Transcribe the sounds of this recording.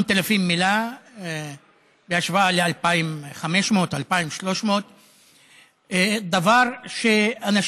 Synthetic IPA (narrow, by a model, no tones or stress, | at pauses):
nt̪elafimːila | beaʃvaalealpaimχameʃmo̞t̪alpaimʃlo̞ʃmo̞t̪ | d̪avaʁʃeanaʃ